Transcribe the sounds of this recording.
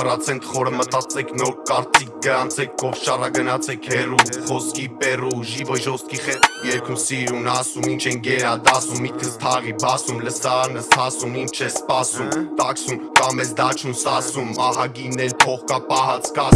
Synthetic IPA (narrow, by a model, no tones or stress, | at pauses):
ərɑt͡sʰɛnt̪χɔɾəmət̪ɑt͡sɛkʰnɔɾkɑɾt͡sik̚ʰɡəɾɑnt͡sʰɛkʰːɔvʃɑrɑɡənɑt͡sʰɛkʰhɛruχɔskipɛruʒivɔʒɔst̪̚kiχɛjɛɾkʰusiɾunɑsumint͡ʃʰɛŋɡɛɾɑd̪ɑsumit̪̚kʰəst̪ʰɑʁibɑsumləsɑɾnəshɑsumint͡ʃʰɛspɑsumt̪ɑksumkɑmɛzd̪ɑt͡ʃʰunsɑsumːɑɦɑɡinɛlpʰɔχkɑpɑɦɑt͡sʰkɑ